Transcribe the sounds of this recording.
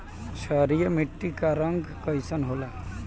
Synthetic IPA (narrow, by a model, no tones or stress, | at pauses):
ʃəɾijəmiʈːikaɾəŋɡkəjsənɦola